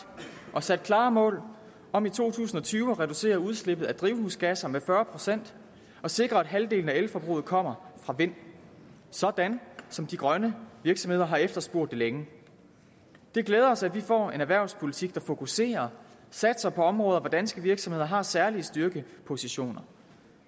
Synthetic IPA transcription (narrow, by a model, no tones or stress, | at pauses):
ʔɒ̽sæd̥̚kʰlɑ̈ːmɔ̰̽ːl | ɒ̽mit͡sʰo̝̰ːt͡sʰṵːsn̩ɒ̽t͡sʰyːʊɒʁɛd̥use̝̰ːɐuð̞ˠsle̝b̥ð̞̩ˠæd̥ʁiʊhuːsɡ̥æsɐmefɶːɐpʰʁo̝sen̰d̥ | ɒ̽se̝ɡ̥ʁɐæd̥ɦæld̥e̝̰ːln̩æelfɒb̥ʁṵːð̩ˠkʰɒ̽m̰ɐfʁɑ̈ʋe̝n̰ | sɒ̽d̥ænsɒ̽md̥iɡ̥ʁɶnəʋiɐɡ̥sɒ̽me̝ð̰ˠɐɦɑ̈efd̥ɐsb̥o̝ɐ̰d̥e̝leŋə | d̥e̝ɡ̥leːð̞ˠɐɒ̽sæd̥ʋifɒ̰ːe̝næʋæɐʊspʰo̝lit͡sʰiɡ̥̚d̥ɑ̈fo̝kʰuse̝̰ːɐ | sæd̥sɐpʰɒ̽ɒ̽mʁɔ̽ːðˠɐʋɒd̥ænsɡ̥əʋiɐɡ̥sɒ̽mhe̝ð̰ˠɐɦɑ̈sæɐliəsd̥yɐɡ̥əpʰo̝siɕo̝̰ːnɐ